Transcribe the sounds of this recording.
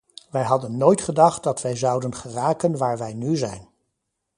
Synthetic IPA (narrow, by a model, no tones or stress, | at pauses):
ʋɛjɦɑdənːojtχədɑχt̚dɑtʋɛjzɑwdənχəraːkənʋaːɹʋɛjnyzɛ̰jn